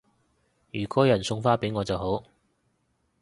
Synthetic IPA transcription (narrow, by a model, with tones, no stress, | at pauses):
jyː˨˩kɔː˥jɐ˨˩nsʊ˧ŋfaː˥pe˨˥jŋɔː˨˧t͡sɐ˨wɦo˨˥w